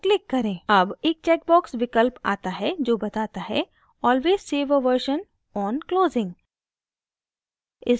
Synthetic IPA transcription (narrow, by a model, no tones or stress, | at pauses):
klɪkːɐɾẽːɐbeːk̚t͡ʃɛːk̚bɔːksʋɪkəlpa̰ːt̪aɦɛd͡ʒoːbɐt̪aːt̪aɦɛ̰ | ɔːlʋeːzseːʋəʋəɾʃən | ɔːnkloːzɪ̃ŋɡ | ɪs